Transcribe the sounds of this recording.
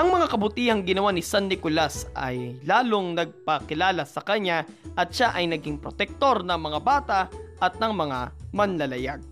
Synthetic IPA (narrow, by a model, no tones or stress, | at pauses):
ʔɐŋmɐŋakɐbʊt̪iːhɐŋɡɪnɐwanɪsanːɪkʊlasʔɐ̰jlaːloŋnɐɡ̚pɐkɪlaːlɐsɐkɐɲa | ʔɐt̪ʃaʔɐjnɐɡiŋpɾot̪ɛk̚t̪o̞ɾnɐŋmɐŋabaːt̪ɐʔɐt̪̚nɐŋmɐŋamɐnlɐlɐjaɡ̚